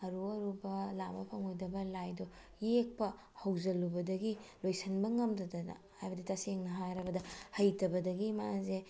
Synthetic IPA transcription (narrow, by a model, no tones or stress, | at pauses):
ɐɾuɐɾubɐlabɐpʰɐŋojdɐbɐlajdɔ | jek̚pɐ | hɐwzɐlubɐdɐɡilojsʰɐnbɐŋɐmdɐdɐnɐ̰hajbɐditɐseŋnɐɦajɾɐbɐdɐhɐjtɐbɐdɐɡimaze